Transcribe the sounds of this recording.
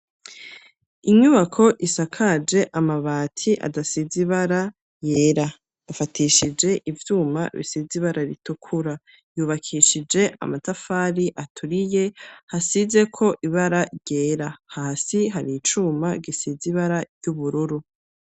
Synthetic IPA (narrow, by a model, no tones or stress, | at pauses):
iɲuβakʰo̞ʔisakʰad͡ʒe̞ʔamaβaːtʰiʔa̰dasiziβaɾa | je̞ːɾa | jafatʰiʃid͡ʒe̞ʔivjuːma̰βḭsiziβaɾaɾitukʰuɾa | juːβakʰiʃid͡ʒe̞ʔa̰matafaːɾiʔatʰuɾije̞hasize̞kʰo̞ʔiβaɾaɾɟe̞ːɾahaːsiɦaɾit͡ʃuːmaɡisiziβaɾaɾjuβuɾuɾu